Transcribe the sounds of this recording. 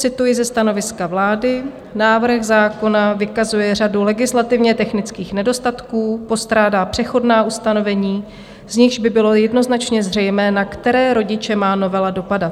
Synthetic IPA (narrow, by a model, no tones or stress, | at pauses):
t͡sɪt̪ujɪzɛst̪ano̞vɪskavlaːdɪ | naːvr̩xzaːko̞navɪkazujɛradulɛɡɪslat̪ɪvɲɛt̪ɛxnɪt͡skiːxnɛdo̞st̪at̪kuːpo̞st̪ɾaːdaːpr̝̥ɛxo̞dnaːust̪ano̞vɛɲiː | z̥ɲɪxʒbɪbɪlo̞jɛdno̞znat͡ʃɲɛzr̝ɛjmɛːnakt̪ɛɾɛːɾo̞ɟɪt͡ʃɛmaːno̞vɛlado̞padat̪̚